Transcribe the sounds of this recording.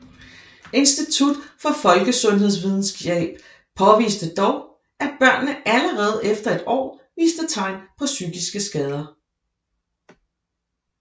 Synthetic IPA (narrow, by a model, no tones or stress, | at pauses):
e̝nsd̥it͡sʰud̥fɒ̽fɒ̽lɡ̥əsɔ̽nɦe̝ð̞̰ˠsʋiðˠn̩sɡ̥jeb̥ | pʰɒ̽ʋḭːsd̥əd̥ɒʊ | ʔæ̥b̥ɶɐ̰nːəʔæləʁɛːð̞̩ˠefd̥ɐe̝d̥ɒ̰ːʋḭːsd̥ət͡sʰɑ̈ɪ̰npʰɒ̽syɡ̥isɡ̥əsɡ̥ɛːð̞ˠɐ